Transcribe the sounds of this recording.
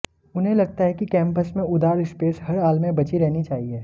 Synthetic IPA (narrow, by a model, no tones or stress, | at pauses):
ʊnɦẽlɐɡt̪aɦɛkikɛ̃ːmpəsmẽʊd̪aːɾɪspeːshɐɾaːlmẽbɐt͡ʃiɾɛɦnit͡ʃaːɦieː